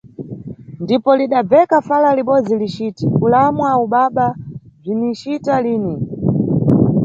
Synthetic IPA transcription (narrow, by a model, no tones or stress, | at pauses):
ndipɔliɗab͡vɛkafalaliɓɔd͡zilit͡ʃitikulamwauɓaɓab͡ʐinit͡ʃitaliːni